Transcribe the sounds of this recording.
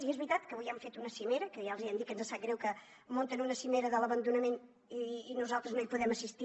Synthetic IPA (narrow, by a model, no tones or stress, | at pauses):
iezβɾit̪at̪kəβojɛmfet̪unəsimeɾəkəjaəlˠziəmd̪ikənzasat̪̚ɡɾɛwkə | mõnt̪ənunəsimeɾəðələβənd̪unəmen | iːnuzalˠt̪ɾəznoipuðɛməsist̪i